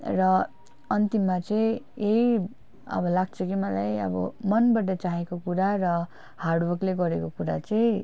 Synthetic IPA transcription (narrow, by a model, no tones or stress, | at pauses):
rʌ | ʌnt̪imːat͡sʌĩei | ʌ̰bʌlaɡt͡sʰʌkimʌlajʌ̰bʌ̰mʌnbʌʈʌt͡saɦekokuɾarʌ | haɽbʌkleɡʌɾekokuɾa̰t͡sʌĩ